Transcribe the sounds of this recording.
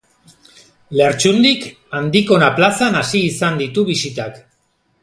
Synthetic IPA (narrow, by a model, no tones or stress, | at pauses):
leɾt͡ʃund̪ik | and̪iko̞naplasanasiːsand̪it̪uβisit̪ak